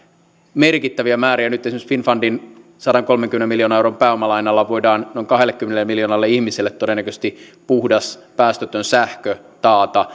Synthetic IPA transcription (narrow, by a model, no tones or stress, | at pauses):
merkit̪ːæʋiæmæːɾiænyt̪ːesimøsfinfɑndin | sɑɾɑŋkolmeŋkymenemiljoːnɑnewurompæːomɑlɑinɑlːɑʋoidɑːnnoiŋkɑɦelːˑekːymːenelːmiljoːnɑlːeihmiselːet̪t̪odenːækøst̪ipuhdɑspæːst̪øt̪ønsæhkø | t̪ɑːt̪ɑ